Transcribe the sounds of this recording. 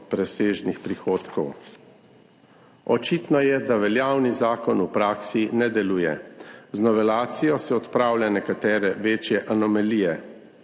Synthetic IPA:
pɾɛseːʒnixpɾixoːt̪kɔw | ɔt͡ʃiːt̪nɔjɛd̪aʋɛljawnizaːkɔnupɾaːksinɛd̪ɛluːjɛ̰znɔʋɛlaːt̪sijɔsɛɔt̪pɾaːwlʲjanɛkat̪ɛːɾɛʋeːt͡ʃjɛʔanɔmalijɛ

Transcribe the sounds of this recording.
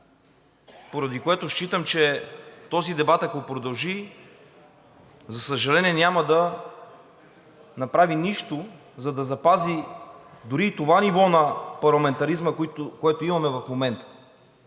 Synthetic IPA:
poɾɐd̪ikoɛt̪oʃt͡ʃit̪əmt͡ʃɛt̪ɔzid̪ɛbat̪ɐkopɾod̪ɐlˠʒi | zɐsəʒɐlɛniɛnʲaməd̪ɐ | nɐpɾaviniʃt̪o | zɐd̪ɐzɐpazid̪ʊɾit̪ovanivɔnɐpɐɾlˠɐmɛnt̪ɐɾizməkoɛt̪oimɐmɛvɐfmomɛnt̪ə̥

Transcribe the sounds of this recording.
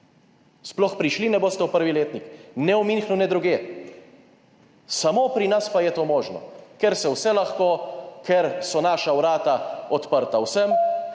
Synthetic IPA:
splɔxpɾiʃlinɛboːst̪ɛwpəɾʋileːt̪niknɛɔminxnuwnɛd̪ɾuɡeː | samopɾinaspajɛt̪oːmoːʒnɔ̰kɛɾsɛwsɛlaxkoːkʰɛɾsɔnaːʃawɾaːt̪aɔt̪pəɾt̪awsəm

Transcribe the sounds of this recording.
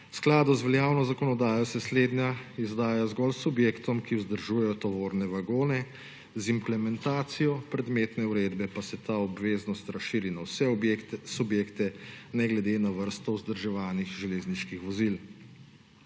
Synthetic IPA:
sklaːd̪uzʋɛljaːwnɔzakɔnɔd̪aːjɔsɛsleːd̪njaizd̪aːjzɡɔlsubjeːkt̪ɔmkiuwzd̪əɾʒuːjɛjɔt̪ɔʋoːɾnɛʋaɡoːnɛ | zimplɛmɛnt̪aːt̪sijɔpɾɛd̪meːt̪nɛuɾeːd̪bɛpasɛt̪aːɔbʋeːznɔst̪ɾasʃiːɾinawsɛsubjeːkt̪ɛnɛɡlɛd̪enaʋəɾst̪ɔwzd̪əɾʒɛʋaːnixʒɛleːzniʃkixʋɔzil

